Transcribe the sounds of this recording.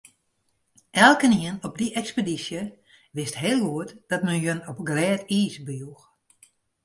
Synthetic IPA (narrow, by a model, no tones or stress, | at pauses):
ʔɛlˠkəniənɔp̚diʔɛkspedisjə | ʋɪstɦeːlˠʋuətd̥ɔt̚mənjonɔp̚ɡlɛːtiːsbəjux